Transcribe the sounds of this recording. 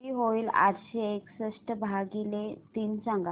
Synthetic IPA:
iɦoiːla̰tɕeeksəsʈəbʱaɡilet̪iːnt͡sãŋɡa

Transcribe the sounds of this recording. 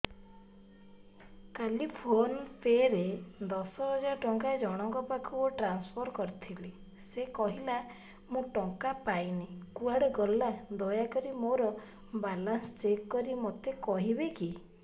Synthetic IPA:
kalipʰonpʰeɾed̪ɔsɔɦɔd͡ʒaɾʈɔŋkad͡ʒɔɽ̃ɔŋkɔpakʰuoʈɾanspʰɔɾkɔɾt̪ʰili | sekɔɦila | mũʈɔŋkapajnekuaɽɔɡɔlːad̪ɔjakɔɾimoɾɔ | balanst͡ʃekːɔɾimot̪ekɔɦibeki

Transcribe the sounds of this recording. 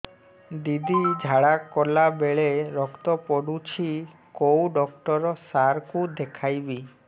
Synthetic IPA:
d̪id̪id͡ʑʱaɽakɔlabeɭeɾɔkt̪ɔpɔɽut͡ɕʰi | kowɖɔkʈɔɾɔsaɾkud̪ekʰajbi

